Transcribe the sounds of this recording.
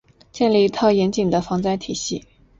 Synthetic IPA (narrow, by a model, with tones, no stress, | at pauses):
t͡ɕjɛ˥˧nli˥˧i˧˥t̪ʰɑ˥˩ʊjɛ˧˥nt͡ɕi˨˩ŋd̪ə˦fɑ˧˥ŋt͡sa˥ɪt̪ʰi˨˩ɕi˥˩